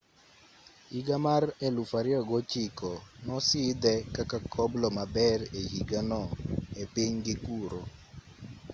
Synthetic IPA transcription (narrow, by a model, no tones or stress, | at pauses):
iɡamarɛlufaɾɪɔɡɔt͡ʃikɔnɔsid̪ɛkakakʰɔblɔmabɛrɛhiɡanɔɛpiɲɡɪkuɾo